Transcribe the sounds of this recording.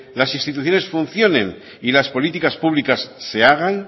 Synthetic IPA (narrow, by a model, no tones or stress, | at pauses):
lasinst̪it̪uθjo̞ne̞sfunθjo̞nẽ̞̰n | ilaspo̞lit̪ikaspuβlikasːe̞aɣ̞an